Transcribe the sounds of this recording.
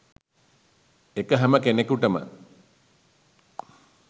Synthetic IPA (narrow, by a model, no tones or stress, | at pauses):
ekəɦæməkenekuʈəmə̰